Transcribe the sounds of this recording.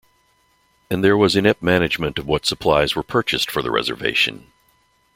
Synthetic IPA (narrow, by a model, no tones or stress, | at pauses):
ɨ̃nðə˞wʌzɨ̃nɪp̚mænɨd͡ʒmɨ̃ntʌvwʌtsəpʰl̥aɪzwə˞pʰɜ˞t͡ʃɨstfə˞ðə̰ɹʔɛ̰zə̰˞vḛɪʃɨ̰̃n